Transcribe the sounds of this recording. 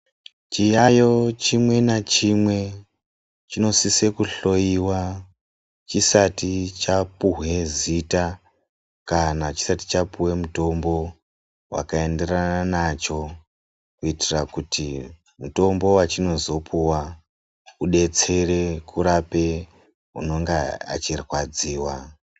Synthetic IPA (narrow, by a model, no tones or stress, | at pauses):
t͡ʃijajo̞t͡ʃimwe̞nat͡ʃimwe̞ | t͡ʃino̞sise̞kuɬo̞jiwa | t͡ʃisatit͡ʃapuɦwe̞zita | kanat͡ʃi̥sati̥t͡ʃapuwe̞muto̞mbo̞ | wa̰kae̞nde̞rananat͡ʃo̞ | kuitirakutʰi | muto̞mbo̞wat͡ʃino̞zo̞pʰuwa | uɗe̞t͡se̞re̞kʰuɾape̞ | ɦṵno̞ŋɡea̰t͡ʃirwad͡ziːwa